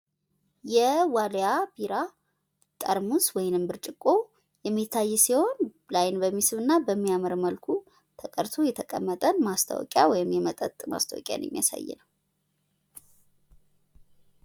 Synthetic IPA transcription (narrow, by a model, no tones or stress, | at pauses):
jɛwaljabiɾa | t̪ʼəɾmuswɔjnɨmbɨɾt͡ʃʼɪkʼːo̞ | jɛmːit̪ʰːajːɛsiho̞nblajnbəmːisɨβɨnːabəmːiamɨɾməlkʰu | t̪ʰəkʼəɾt̪ʰo̞jɛt̪ʰəkʼə̰mːət̪ʼənmast̪ʰa̰wɔ̰kʼja̰wɔjɪmjɛmət̪ʼət̪ʼma̰st̪ʰawɔkʼja̰n̰jɛ̰mːija̰sa̰jːɛ̰nəw